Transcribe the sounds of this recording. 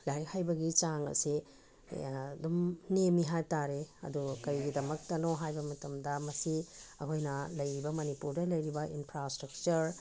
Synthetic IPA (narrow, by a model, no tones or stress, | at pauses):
lajhajbɐɡit͡ʃaŋɐ̰si | dumnemiɦajtaɾeɐ̰dukɐɾiɡidɐmɐk̚tɐnoɦajbɐmɐtɐmdɐmɐsiɐkʰojnɐlɐjɾibɐmɐnipuɾdɐlɐjɾibɐʔinpʰɾastɾɐk̚t͡ʃɐɾ